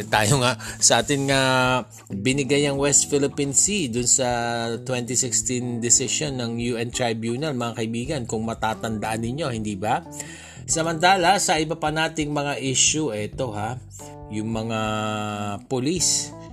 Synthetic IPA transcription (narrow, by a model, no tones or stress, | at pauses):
t̪aːjoŋaʔsɐʔaːt̪ɪnŋa | bɪnɪɡajnɐŋwɛst̪fɪlɪpinsid̪ʊnsɐt̪wɛnt̪isɪkst̪ɪnd̪ɪsɪʃo̞nːɐŋjuːʔɛnt̪ɹajbjuːnɐlmɐŋakɐɪbiːɡɐnkʊŋmɐt̪aːt̪ɐnd̪ɐʔanːɪɲːo̞hɪnd̪iːba | sɐmɐnt̪̬aːlɐsɐʔɪbɐpɐnaːt̪ɪŋmɐŋaʔiʃuʔɛt̪o̞ha | jʊŋmɐŋa | pʊlis